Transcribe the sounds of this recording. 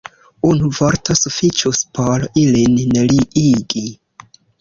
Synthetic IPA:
unuvoɾto̞sufit͡ʃuspo̞ɾilinneliʔiɡi

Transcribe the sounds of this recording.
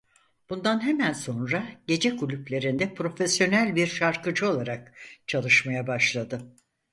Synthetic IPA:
b̥und̪anɦemænso̞nɾaɟe̞d͡ʒɛkulʲyplʲe̞ɾind̪ɛpʰɾo̞fesjo̞nælʲbiɾʃaɾkɯd͡ʒɯo̞lˠaɾak̚t͡ʃʰalˠɯʃmajabaʃlˠad̪ɯ

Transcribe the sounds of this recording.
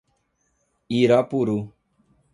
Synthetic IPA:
iːɾaːpuːɾuː

